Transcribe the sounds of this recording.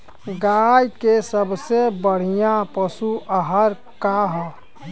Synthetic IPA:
ɡaːjkesəbsebəɽ̤ijãpəsuʔəɦəɾ | kaɦ

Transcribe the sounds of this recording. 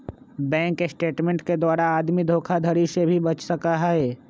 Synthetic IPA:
bɛ̃ːŋkːesʈeːʈmẽːɳʈked̪waːɾaaːd̪mid̪ʱoːkʰad̪ʱɐɾisebʱibɐt͡ʃsɐkaɦɛɦɛː

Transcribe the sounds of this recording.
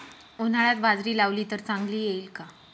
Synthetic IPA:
on̤aɭat̪bad͡zɾiːlaʋliːt̪əɾt͡saŋɡliːjeilka

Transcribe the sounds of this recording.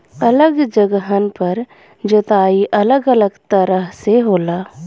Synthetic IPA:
ələɡd͡ʒəɡəɦənpəɾ | d͡ʒət̪aːiʔɐləɡələɡt̪əɾəɦseɦoːlaː

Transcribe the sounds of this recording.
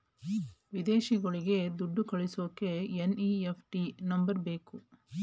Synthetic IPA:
ʋid̪eːʃiɡɐɭiɡe̞d̪uɖːukɐɭisoːkːeeniepʰʈinɐmbɐɾbeːku

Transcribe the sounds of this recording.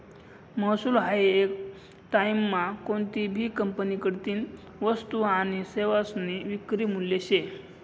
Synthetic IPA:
məsuːlɦajek | ʈajmːakoɳt̪ibʱiːkəmpənikəɽt̪iːn | ʋəst̪uañiseʋasniʋikɾiːmuljeɕe

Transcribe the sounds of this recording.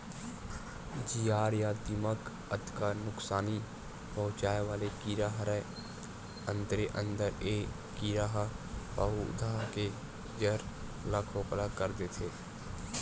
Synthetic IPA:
d͡ʒiːaːɾjad̪imək | əd̪kanʊksaːni | pəɦʊ̃t͡ʃaːeʋaːlekiɾaɦɾə | ə̃nd̪ɾeʔə̃nd̪əɾeː | kiːɾaɦpəɦṵd̪ʱaɦke | d͡ʒəɾ | lakʰoːklakəɾd̪et̪ʰeː

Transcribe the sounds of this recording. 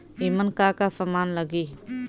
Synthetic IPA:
imənkakasəmaːnləɡiː

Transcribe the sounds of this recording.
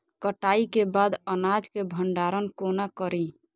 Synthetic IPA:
kəʈaikebad̪ənad͡ʒkebʱəɳɖaɾənkonakəɾi

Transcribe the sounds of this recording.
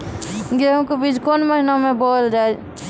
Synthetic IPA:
ɡeɦũkebid͡ʒkonməɦinamebold͡ʒae

